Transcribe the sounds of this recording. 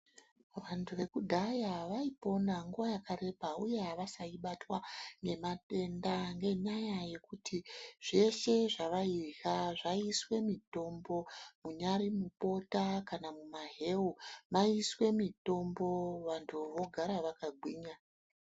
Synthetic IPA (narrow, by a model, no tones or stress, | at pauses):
ʋantʰuʋe̞kudʱajaʋaipo̞naŋɡuʋajakaɾe̞bʱauje̞ɦaʋasaiɓatwaŋɡe̞maɗe̞ndaŋɡe̞ɲajaje̞kutiʐ̥e̞ʃe̞ʐaʋaikaʐaiswe̞mito̞mbo̞muɲaɾimupo̞takanamumaɦe̞umaiswe̞mito̞mbo̞ʋantʰuʋo̞ɡʱaɾaʋakaɡʱwiːɲa